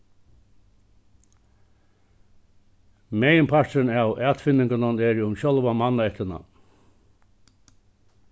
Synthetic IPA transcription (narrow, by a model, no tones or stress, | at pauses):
mejmpʰaənawʔæːt̪fɪnːɪŋkananɛɾʊmɕɔlʋamanːaɛht̪əna̰